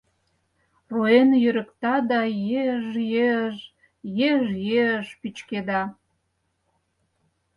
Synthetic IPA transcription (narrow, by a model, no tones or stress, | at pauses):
ruenjøɾə̆kt̪ɑd̪ɑjeʒjeʒ | jeʒjeəʒpyt͡ɕked̪ɑ